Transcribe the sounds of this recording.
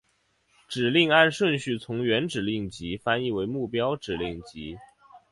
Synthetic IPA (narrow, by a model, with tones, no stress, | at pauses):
ʈ͡ʂɻ̩˨˩li˥˧ŋa˥˧nʂwə˥˧nɕy˥˩t͡sʰʊ˧˥ŋɥɛ˧˥nʈ͡ʂɻ̩˨˩li˥˩ŋt͡ɕi˧˥fa˥ni˥˩we˧˥ɪmu˥˩pjɑ˥ʊʈ͡ʂɻ̩˨˩li˥˩ŋt͡ɕi˧˥